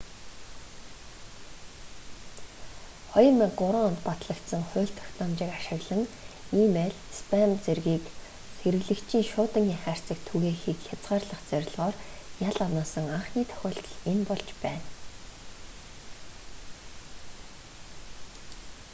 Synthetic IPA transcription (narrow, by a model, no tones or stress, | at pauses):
χɔjə̆rmek̚ɢʊɾə̆ŋɔnt̪pat̪ɮə̆kt̪sə̆ŋχʊ̟ːɬt̪ʰœ̥xʲt̪ɔmt͡ɕɪːkaʃɪ̆ɣɮə̆ŋiːmeɮspʰamt͡serɣiːk | xeɾɘɣɮɘ̆kt͡ɕʰiːŋʃʊːt̪ə̆ŋiŋχæːr̥ʲt͡sə̆k̚t̪ʰuɣeːxiːkxʲat͡sʁ̥aːrɮə̆χt͡sœɾʲɪ̆ɮʁɔːrjaɮanaːsə̆ŋaɴχniːt̪ʰœ̥xʲʊːɬt̪ɞ̆ɮenpɔɮt͡ɕpæːn